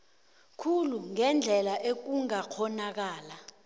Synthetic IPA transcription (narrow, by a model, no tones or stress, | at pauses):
kʰuluŋɛnd͡ɮʱɛlaʔek̬uŋakʰɔnak̬aːla